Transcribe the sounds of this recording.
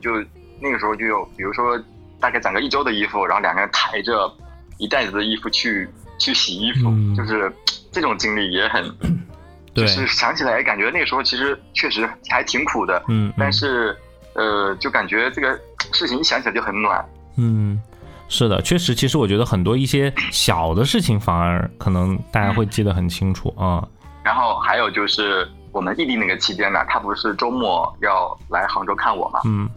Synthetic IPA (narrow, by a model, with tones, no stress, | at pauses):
t͡ɕjo˥˧ʊ | na˥˩ɡə˩ʂɻ̩˧˥xt͡ɕjo˥˩jo˧˥ʊpi˨˩ɻu˧˥ʂwɔ˥ | t̪a˥˧ka˥˩ɪʈ͡ʂə˨˩ŋɡə˧˦i˥˩ʈ͡ʂo˥ʊd̪ə˨i˥fu˨˩ɻa˧˥nxljɑ˨˩ŋɡə˧ə˥nt̪ʰa˧˥ɪʈ͡ʂə˥˧ | i˧˥t̪a˥˩ɪd͡zɹ̩˩d̪ə˩i˥˧fu˧t͡ɕʰy˥˧˩t͡ɕʰy˥˩ɕi˨˩i˥fu˨˩t͡ɕjo˥˧ʊʂɻ̩˥˧ʈ͡ʂɤ˥˩ʈ͡ʂʊ˨˩ŋt͡ɕi˥ŋli˥˩jɛ˧˥xə˨˩˦n | t̪woe˥˧˩ʂɻ̩˥˩ɕjɑ˧˥ŋt͡ɕʰi˨˩la˧˥ɪjɛ˧˥ka˨˩nt͡ɕɥɛ˧˥na˥˩ə˩ʂɻxo˧ʊt͡ɕʰi˧˥ʂɻ̩˧˥t͡ɕʰɥɛ˥˩ʂɻ̩˧˥xa˧˥ɪt̪ʰi˧˥ŋkʰu˨˩d̪ə˦n̩˥˩a˥˧nʂɻ̩˥˩ | ə˧t͡ɕjo˥˩ʊka˨˩nt͡ɕɥɛ˧˥ʈ͡ʂɤ˥˩ɡə˩ | ʂɻ̩ʰ˥˩i˧ŋ˥ɕjɑ˧˥ŋt͡ɕʰi˨˩˨jo˥˩xə˧˥nnwa̰˨˩n | n̩˥˩ | ʂɻ̩˥˩d̪ə̰˩t͡ɕʰɥɛ˥˩ʂɻ̩˧˥t͡ɕʰi˧˥ʂɻ̩˧˥wɔ˨˩t͡ɕɥd̪ə˧xə˨˩nt̪wɔ˥i˥˩ɕjɛ˥ɕjɑ˨˩ʊd̪ə˦ʂɻ̩˥˩t͡ɕʰi˨˩ŋfa˧˥ŋə̰˧˥kʰɤ˨˩nɤ˧˥ŋt̪a˥˩t͡ɕja˥xwe˥˧ɪt͡ɕi˥˩d̪ə˩xə˨˩nt͡ɕʰi˥ŋʈ͡ʂʰṵ˨˩˦ɐ˥˧ | ɻa˧˥nxo˥˩ʊxa˧˥ɪjo˨˩ʊt͡ɕjo˥˧ʊʂɻ̩˥˩ | wɔ˨˩mə˦ni˥˧t̪i˥˧na˥˩ɡə˩t͡ɕʰi˧˥t͡ɕjɛ˥nə̰˨˩t̪ʰa˥pu˧˥ʂɻ̩˥˩ʈ͡ʂo˥ʊmwɔ˥˩jɑ˥˩ʊla˧˥ɪxɑ˧˥ŋʈ͡ʂo˥ʊkʰa˥˩nwɔ̰˨˩mɐ̰˧˦n̩˥˩